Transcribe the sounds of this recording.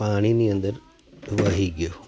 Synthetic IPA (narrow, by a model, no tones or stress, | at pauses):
aːɳinijɐnd̪ɐɾ | ʋɐɦiɡːɐ